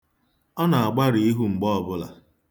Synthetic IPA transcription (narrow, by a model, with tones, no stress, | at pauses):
ɔ˦na˨a˨ɡ͡ba˦ɾi˨i˦ɦu˦ŋ͡m̩˨ɡ͡bɔ˦ɔ˨bʊ˦la̰˨